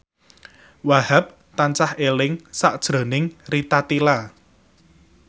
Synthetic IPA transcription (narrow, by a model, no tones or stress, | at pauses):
waɦap̚ | t̪ant͡ʃahʔelɪŋsaʔd̥ʒ̥ɾo̤nɪŋrit̪at̪ila